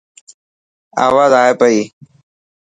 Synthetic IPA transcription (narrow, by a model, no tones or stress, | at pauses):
a̰ːʋaːzaːɦeːpəiː